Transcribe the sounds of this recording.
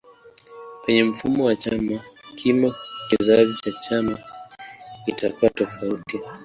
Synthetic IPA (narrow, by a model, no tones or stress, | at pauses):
kwɛɲɛm̩fumɔwat͡ʃamakʰimɔkizaʄit͡ʃat͡ʃama | itakuwatɔfauti